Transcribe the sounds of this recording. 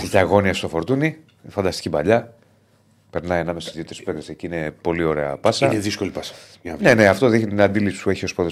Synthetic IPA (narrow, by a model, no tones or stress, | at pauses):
icɐɣo̞niɐst̪ofo̞ɾt̪uni | fɐnd̪ɐst̪i̥cibɐʎɐ | pe̞ɾnɐijɐnɐmesoszðiot̪ɾispekt̪eseciine̞po̞lio̞ɾe̞ɐ̰pɐsɐeðiskolipɐsɐ̥ | ɲɐnene̞ɐft̪o̞ðiçnt̪nɐnd̪ilipsi̥spue̞çio̞spoðe